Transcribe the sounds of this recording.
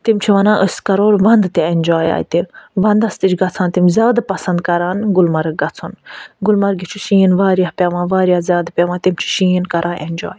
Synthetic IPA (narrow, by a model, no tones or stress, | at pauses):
t̪imt͡ʃʰiʋɐnãːʔəsʲkɐɾoːɾʋɐnd̪t̪ienʲd͡ʒaːja̰ːjt̪iʋɐnd̪ɐst̪it͡ʃɡɐt͡sʰãːnt̪imzʲaːd̪pɐsɐnd̪kɐɾaːnɡʊlmɐɾɡɐt͡sʰunɡulmɐɾɡit͡ʃʰuʃiːnʋaːɾjaːpʲɐʋãːʋaːɾʲijaːzʲjaːd̪pʲeʋãːt̪imt͡ʃʰi̥ʃiːnkɐɾʔãːʔenʲd͡ʒa̰ːj